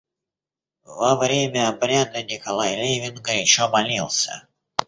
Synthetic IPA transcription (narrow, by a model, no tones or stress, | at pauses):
vɐvɾʲemʲəɐbɾʲad̪ɨnʲɪkɐlˠajlʲevʲɪnɡəɾɪɕomɐlʲilˠsʲə̰